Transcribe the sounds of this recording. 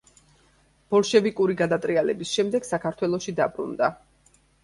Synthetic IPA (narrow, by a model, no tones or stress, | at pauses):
b̥ɔlˠʃɛvikʼuɾiɡad̪at̪ʼɾialɛ̰bisʃɛmd̪ɛɡ̥sakʰaɾt̪ʰwɛlˠɔʃid̪abɾṵnd̪a